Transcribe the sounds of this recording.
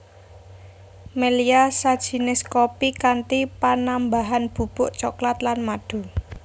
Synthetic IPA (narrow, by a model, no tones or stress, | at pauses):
meliasad̥ʒ̥i̤nɪskopikant̪ipanambaɦanb̥ṳb̥ʊʔt͡ʃɔklat̪lanmaɖ̥o̤